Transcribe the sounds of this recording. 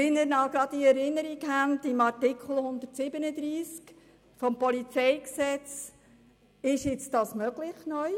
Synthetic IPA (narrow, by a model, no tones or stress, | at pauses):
ɪnəɾnɑɡɾɑd̪iɛɾɪnːəɾikhændɪmɑɾtɪkʰl̩ˠhʊnd̪ərtsɪbənəd̪ɾiːsk | fɔmpɔlit͡sɛjksɛt͡s | ɪʃjɪt͡sdɑːsmœɡlɪχnœj